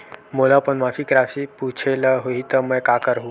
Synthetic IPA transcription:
molapənmafikɾafiput͡ʃʰeləɦoit̪əməjkakəɾɦũ

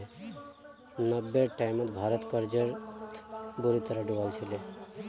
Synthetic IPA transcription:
nəbːeʈajmət̪bʱaːɾət̪kəɾd͡ʒəɾt̪ʰbuɾit̪əɾaɖuʋalt͡ʃʰile

